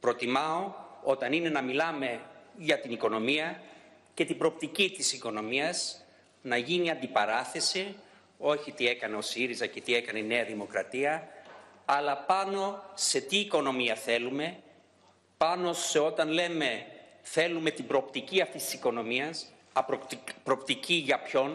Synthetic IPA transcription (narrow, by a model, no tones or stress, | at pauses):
pɾo̞t̪imɐo̞o̞t̪ɐnine̞nɐmilɐme̞ʝɐt̪iniko̞no̞miɐ | ce̞t̪ibɾo̞ːp̚t̪icit̪isiko̞no̞miɐz | nɐʝiniɐnd̪ipɐɾɐθe̞si | o̞çit̪ie̞kɐne̞o̞siɾizɐce̞t̪ie̞kɐnene̞ɐðimo̞kɾɐt̪iɐ | ɐlɐpɐno̞se̞t̪iːko̞no̞miɐθe̞lume̞ | pɐno̞sse̞o̞t̪ɐnle̞me̞ | θe̞lume̞t̪ibɾo̞ːpt̪iciɐft̪ist̪isi̥ko̞no̞miɐs | ɐppɾopt̪iciʝɐpço̞n